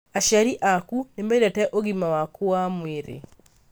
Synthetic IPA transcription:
aʃaɾiʔakunembeidatɛʔoɣimawakoamweɾḛ

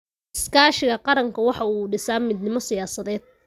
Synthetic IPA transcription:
ɪskʰaːʃɪɣɐqɑɾɐŋkʰɐwɑħɑuːɖɪsaːmiːd̪nɪmɔsɪjaːsɐðɛːd̪̥̚

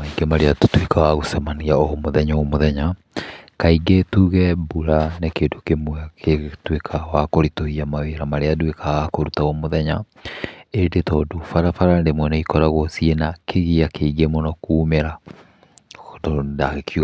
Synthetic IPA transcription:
aiɡemaɾeato̥twekawaɣosɛmaniaomoðɛɲaomoðɛɲa | kaiɡetuːɣɛbuɾanekeːndokemwɛketwekʰawakoɾitoiamaweɾamaɾeadwekaɣakoɾutaomoðɛɲa | endetɔːdofaɾafaɾandemwɛnɛikɔɾaɣɔsienakeɣiakeiɡemɔnɔkuːmeɾa | dɔdaɣekjuɣ

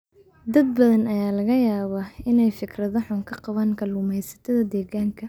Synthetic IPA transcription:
d̪ɐd̪̚bɐðɐnɐjaːlɐɣɐjaːβaɪnɛjfɪkrɐðɐħʊŋkʰɐqɑβaːŋkʰɐlʊmɛjsɐ̥t̪ʰɐðɐd̪ɛːɣaːŋkʰɐ

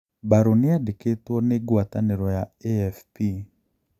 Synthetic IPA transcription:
baɾonɪadeketwɔneɡwataneɾɔjaeɛfpi

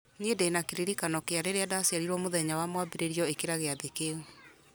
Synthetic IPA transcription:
nedenakeɾiɾikanɔkeaɾeɾeadasiaɾiɾɔmoðɛɲawamwabeɾeɾiɔekeɾaɣeaðekeu

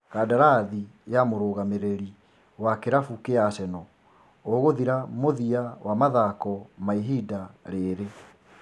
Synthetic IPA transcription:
kadaɾaðijamoɾoːɣameɾeɾi | wakeɾafukeasɛnɔ | oɣoðiɾamoðiawamaðakɔmaiɦidaɾeɾe

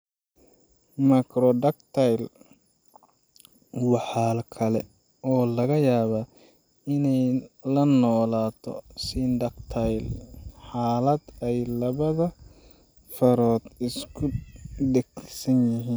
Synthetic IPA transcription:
mɐkɾɔɖɐkt̪ʰajl | wɑħɑːlkʰɐlɛ̰ | ʔɔːlɐɣɐjaːβa | ɪnɛjlɐnɔːlaːt̪ʰɔ̰siːnd̪ɐkt̪ʰɐjlħaːlɐd̪ɛjlɐβɐðɐ | fɐɾɔːd̪ɪskʰʊɖɛɡsɐnjɪɦiːn

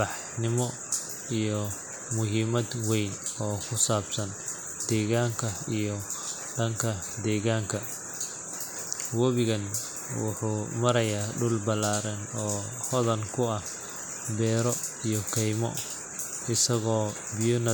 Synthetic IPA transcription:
bɑħ | nɪmɔ | ijɔ | mʊɦiːmɐd̪wɛjnɔːkʰʊsaːbsɐn | d̪̥ɛːɣaːŋkʰɐijɔ | ɖɐŋkʰɐ | d̪ɛːɣaːŋkʰɐ | wɐβɪɣɐn | wʊ̰ħuːmɐɾɐjaːɖʊlbɐlaːɾɐnɔː | hɔðɐnkʰʊɐh | bɛːɾɔijɔkʰɛjmɔ̰ | ɪsɐɣɔː | bɪjɔnɐ

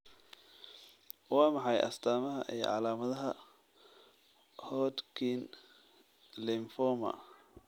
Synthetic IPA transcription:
wɑːmɑħɑjʔɐ̰st̪ʰaːmɐɦɐ̰ʔij̰ʕɑ̰laːmɐðɐɦɐ | hɔːd̪kʰin | lɪmfɔmɐ̰

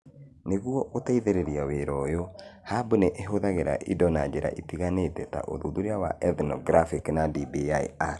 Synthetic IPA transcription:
neɣwɔʔotaiðeɾeɾiaweɾɔjohabuneʔeɦoðaɣeɾa̰ʔidɔnad͡ʒeɾa̰ʔitiɣanetɛta̰ʔo̰ðuðuɾeawa̰ʔɛðnɔɡɾafikinadibia̰a

